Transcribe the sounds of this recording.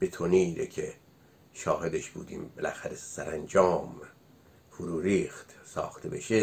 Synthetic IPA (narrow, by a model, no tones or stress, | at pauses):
b̥et̪ʰoniɾecʰe | ʃɒːhe̞d̪eʃb̥ṵːd̪ḭːmbelæxæɾesæɾænd͡ʒɒːm | foɾuːɾiːxt̪sɒ̰ːxt̪ʰe̞beʃe